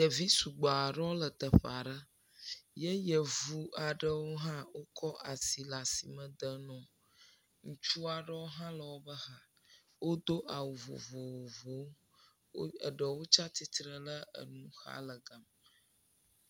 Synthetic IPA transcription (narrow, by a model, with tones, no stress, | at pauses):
jə˨vi˦su˨ɡ͡ba˨ɖɔ˦lə˨t̪ə˨ɸa˨ɖə˦ | jə˦jə˨vu˦a˨ɖə˦wo˦ɦã˦wo˦kʰɔ˦ʔa˨si˨la˨si˨mə̃˦d̪ə˦nɔ̃˨ | ŋũ˨t͡ʃu˦a˨ɖə˦wo˦ɦã˦lə˨wo˦bə˦ɦa˦ | wo˦d̪o˦ʔa˨wu˨vo̰˨vo˨wo˨vo˨˦ | ə˨ɖə˨wo˦t͡ʃa˦t̪i˦t̪ɾə˦lə˦ə̰˨nũ˦xa̰˦lə˨ɡa˨m